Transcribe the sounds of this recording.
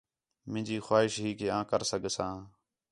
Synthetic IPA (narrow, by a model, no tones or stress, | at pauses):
mɪ̃ːd͡ʒiːxwaːɦɪʃɦiːkeːãːkəɾsəɡsãː